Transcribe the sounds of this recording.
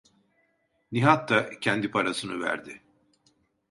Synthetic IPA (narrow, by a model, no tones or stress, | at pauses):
niɦat̪ːacʰɛnd̪ipʰaɾasɯnɯvæ̰ɾd̪ɪ